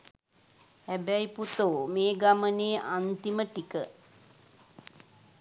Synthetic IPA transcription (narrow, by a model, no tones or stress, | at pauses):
hæbæjput̪omeːɡaməneːʔant̪iməʈikə